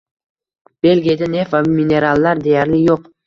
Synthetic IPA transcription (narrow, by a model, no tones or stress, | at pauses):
b̥e̞lɡʲijad̪ane̞fvamine̞ɾalˠːaɾd̪e̞jaɾlɪjoq